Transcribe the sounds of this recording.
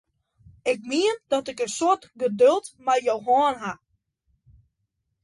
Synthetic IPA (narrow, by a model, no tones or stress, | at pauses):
ɪk̚miənd̥ɔtɪkənsoətɡədølˠtmɛjjowɦɔːnɦa